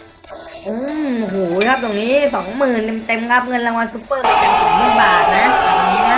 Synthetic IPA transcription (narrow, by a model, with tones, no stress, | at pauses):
ʔoː˧˥˩mu˧˩ɦoː˨˩˦kʰa˦˥p̚t̪o˨˩ŋniː˦˥sɔː˩˦ŋmɯː˨˩ne˧mt̪e˧mka˦˥p̚ŋɤ˧nɾa˧ŋwa˧nsu˦˥pːɤː˥˩pa˧˩nka˧nsɔ˨˩˦ŋ̚mɯː˥˩nbaː˨˩t̪̚na˦˥laː˨˩k̚niː˦˥na˦˥